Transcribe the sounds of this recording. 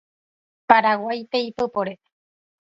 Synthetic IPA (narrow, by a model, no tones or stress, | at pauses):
paɾawajpeipɨpoɾe